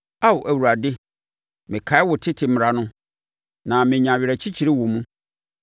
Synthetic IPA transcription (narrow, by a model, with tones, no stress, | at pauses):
a˦wʊ˨ʔæ˨wu˨ɾa˨dɪ˦ | mɪ̃˨kʰa˨˦ɪ˦wʊ˨tʰɪ˦tʰɪ˨m˨ɾa˨nʊ̃˦ | nã˨mɪ̃˨ɲã˨ɥɪ˨ɾɛ˨t͡ɕʰi˦t͡ɕʰi˨ɾe˦wo˨mũ˦